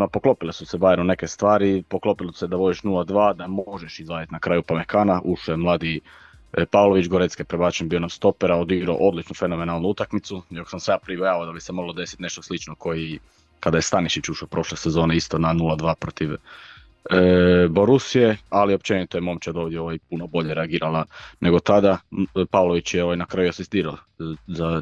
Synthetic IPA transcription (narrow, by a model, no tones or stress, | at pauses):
mapo̞klo̞pilesusebaːjenune̞kest̪ʋaːɾipoklˠo̞pilosused̪aʋo̞d̪iʃnulad̪ʋaːd̪amoʒeʃizlaːjat̪nakɾaːjupamekaːnaʔuʃojemlˠaːd̪i | paːʋlˠoʋit͡ʃɡo̞ɾet̪skepɾebaːt͡ʃeɲbiːonast̪o̞peɾaod̪iɡɾo̰ʔo̞d̪lit͡ʃnufe̞no̞me̞naːlˠnuut̪akmit̪sujoko̥samsejaːpɾibojaːʋaod̪abisemo̞ɡlˠod̪e̞si̥t̪ne̞ʃt̪oslit͡ʃnoko̞ji | kad̪ajest̪aniʃit͡ʃuʃopɾo̞ʃlesezo̞ːneist̪onanulˠad̪ʋaːpɾot̪iʋ | boɾusije̞alio̞p̚t͡ʃenit̪ojemomt͡ʃad̪o̞ːʋdjeo̞ʋajpunobo̞ʎeɾeaɡiːɾalane̞ɡo̞t̪ad̪apaːʋlˠo̞ʋit͡ɕjeo̞ʋajnakɾajuasist̪iːɾao | za